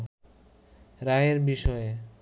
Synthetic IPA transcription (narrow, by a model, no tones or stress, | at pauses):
ɾaeɾbiʃɔe